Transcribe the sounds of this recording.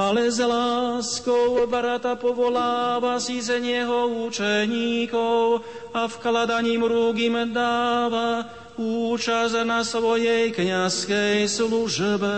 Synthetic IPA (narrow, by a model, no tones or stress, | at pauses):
alɛzlaːskɔwbaɾat̪apɔʋɔlaːvasizɛɲɪjɛɦɔut͡ʃɛɲiːkɔw | afklad̪aɲiːmɾuːɡimd̪aːʋa | uːt͡ʃaznasʋɔjɛjkɲaskɛjsluʒbɛ